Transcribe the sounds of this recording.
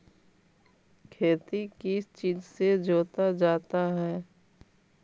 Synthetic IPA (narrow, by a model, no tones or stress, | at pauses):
kʰeːt̪ikist͡ʃiːd͡ʒsed͡ʒoːt̪ad͡ʒaːt̪aɦɛː